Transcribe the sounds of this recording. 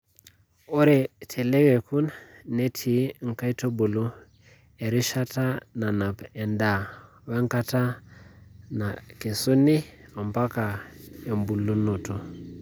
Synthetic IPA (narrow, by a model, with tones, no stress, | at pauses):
o˦ɾe˨tʰe˨le˦ɣe˨ku˦nne˦tʰi˨ŋ˨ka˦i˦to˦bu˨lu˦ | e˨ɾi˦ʃa˦ta˦na˨na˨pe˨nda˨ | we˦ŋka˦ta˦ | na˨ke˨su˦ni˦ | a˨mba˦ka˨e˨mbu˨lu˦nu˨tu˦